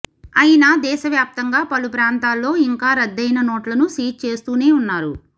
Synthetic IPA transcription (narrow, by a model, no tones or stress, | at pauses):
ɐjinaːd̪ɛːʃɐʋjaːp̚t̪ɐŋɡaːpɐlupɾaːnt̪aːlːo̞ːiŋkaːɾɐd̪ːɐjnɐnoːʈlɐnusiːʈ̚t͡ʃe̞ːst̪uːne̞ːunːaːɾu